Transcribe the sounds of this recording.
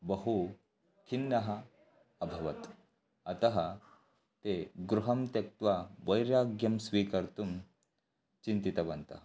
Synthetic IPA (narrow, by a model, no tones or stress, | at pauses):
bɐɦu | t̪ʰinːɐɦɐ | ɐbʱɐʋɐt̪ | ɐt̪ɐɦɐ | t̪eɡɾuɦɐmt̪jɐk̚t̪ʋaʋɐjɾjaːɡjɐmsʋiːkɐɾt̪um | t͡ɕint̪it̪ɐbɐnt̪ɐ̰ɦ